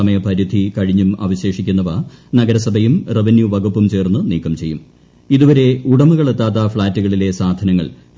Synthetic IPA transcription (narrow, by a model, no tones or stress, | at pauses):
ɐmɐjɐpɐɾud̪ʱikɐɻiɲːumɐ̰ːʋɐɕe̞ːʂikʲːunːɐʋanɐɡɐɾɐsɐbʱɐjumreʋinjuʋɐɡupːumt͡ɕe̞ːrnːɨniːkːɐmt͡ɕe̞jːum | iðuʋɐɾe̞uɽɐmuɣɐɭet̪ːaːt̪̬ːɐfɭaːtːuɣɐɭile̞saːd̪ʱɐnɐŋːɐ̰ɭ